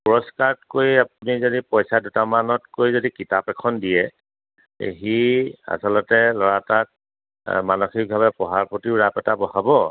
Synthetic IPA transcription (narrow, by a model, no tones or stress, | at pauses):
pɔɹɔskatkojap̚unizodipɔjsadutamanɔtkojzodikitapɛkʰɔndijɛ | ḛɦia̰sɔlɔtɛlɔɹatak̚ | manoxik̚bʱabɛpɔɦaɹpotiɹapɛtabɔhabɔ